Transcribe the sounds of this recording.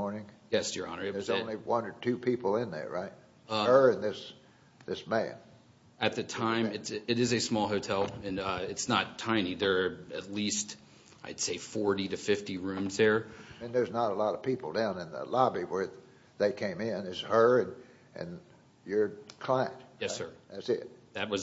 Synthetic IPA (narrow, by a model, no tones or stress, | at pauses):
ɔɹnɪ̃ŋjɛsjə˞ɑ̰nə˞ɨə˞zõnliwʌ̃nə˞tʰʉpʰipl̩ˠɪ̃nðə̰˞ɹaɪt̚ | ʌə˞ɨ̃nðɪs | ðɪsmæ̰̃n | ɨt̪̚ðɨtʰãɪ̃mɨtsɨɾɨzɨsmɔlˠɦoʊtʰɛlˠɨ̃nʌɪtsnətʰãɪ̃niðə˞ɨtˡlist | aɪd̥seɪfɔɹɾiɾɨfɪftiɹʉ̃mzðə˞ɨ̃nðə˞znəɾəlɔɾəv̥pipl̩ˠdãʊ̃nɨ̃nðə̰lɑbiwə˞ | ðeɪkʰẽɪ̃mɪ̃nɨz̥hə˞ɨ̃n | ʔɨ̰̃n | jə˞kʰl̥ãɪɨ̰̃ntjɛssə˞ðætsɪ̰t̚ðɨt̚wʌz